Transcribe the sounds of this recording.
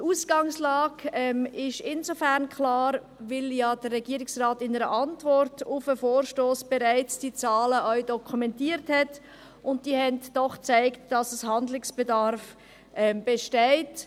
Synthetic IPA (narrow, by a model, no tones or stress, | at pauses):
uːsɡ̥ɑŋslɑːɡɛmɪʃɪnzofæɾnkʰlɑːɾ | vɪljad̥ərːɛɡiːəɾɪksʁaːtɪnəɾəʔɑntvɔɾtʰʊfəfoːɾʃtoːsb̥ɛɾaɪt͡sd̥it͡sɑːləʔœʏdɔkʰumɛntiːəɾthɛt | ʊnt̚d̥ihɛntd̥ɔχt͡saɪktd̥ɑsəshɑndlɪksb̥edɑɾf | ʔɛmb̥ɛʃtɛɪt